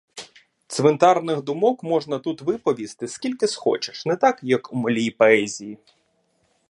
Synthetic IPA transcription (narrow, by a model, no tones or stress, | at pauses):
t̪sʲʋent̪ɑrnɪxd̪ʊmɔkmɔʐnɐt̪ut̪ʋɪpɔʋʲist̪ɪskʲilʲkɪsxɔ̰t͡ʃe̥ʃnɛt̪ɑkjɐkumɔlʲijpɔɛzʲiji